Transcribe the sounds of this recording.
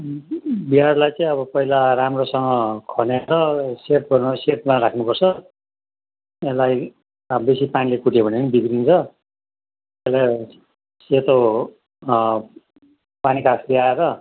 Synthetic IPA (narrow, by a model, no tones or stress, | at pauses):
biarlajt͡saĩʌβʌpʌɦilaɾamrosʌŋɡʌkʰʌneɾʌset̪̚ɡʌrnset̪̚maɾakʰnupʌrt͡sʰʌ | elaj | besipanilekuʈʰjebʱʌneʌnibiɡɾint͡sʰʌ | ela | set̪o | panikʰasliaeɾʌ